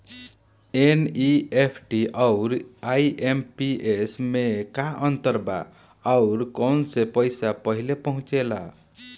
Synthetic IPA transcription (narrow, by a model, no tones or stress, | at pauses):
eniepʰʈiaʊɾaiempiesmekaʔənt̪əɾba̰ | aʊɾkənsepəjsapəɦilepəɦũt͡ʃela̰